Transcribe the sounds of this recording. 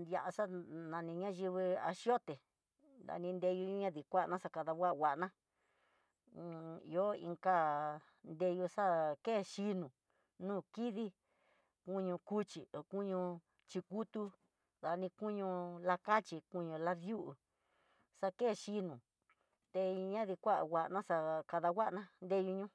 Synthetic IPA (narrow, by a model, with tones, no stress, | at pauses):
ja˧ʔa˧sa˦nã˧nĩ˧ɲã˦ʒi˧βi˧a̰˧ʃjo˦t̪e˨ | nd̪a̰˧nĩ˧nd̪e˧ju˧u˦ɲã˦ði˨kʷa˦ʔnã˦sa˧ka˧ða˧wʷa˦ʔwa˧ʔnã˦˧ | o˦ḭ˧ŋka˦ | nd̪e˧ju˧ʂa˦ke˦˨ʃi˧nũ˨ | nũː˦˨ki˦ði˦ | kũ˦ɲũ˧ku˦t͡ʃi˨o˨ku˦ɲũ˧ | t͡ʃi˧ku˦t̪u˧ | ða˧nĩ˧ku˦ɲũ˧la˧ka˦t͡ʃi˧ku˦˧ɲũ˧la˧ðju˦ʔu˧˨ | sa˧ke˦˨ʃi˧nũ˨ | t̪e˧ɲã˦ði˧kʷa˦ʔa̰˨ɣa˧˨ʔnã˦sa˧ka˧ða˧wʷa˦ʔnã˦nd̪e˦ju˧ɲũ˦